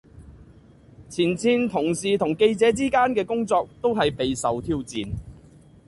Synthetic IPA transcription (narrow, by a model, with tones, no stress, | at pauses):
t͡sʰiː˨˩nt͡sʰiː˧nt̪ʰʊ˨˩ŋsiː˨t̪ʰʊ˨˩ŋke˧jt͡sɛː˨˥t͡siː˥kaː˥nkɛː˧kʊ˥ŋt͡sɔː˧k̚t̪o˥wɦɐ˨jpe˨jsɐ˨wt̪ʰiː˥wt͡sḭː˨n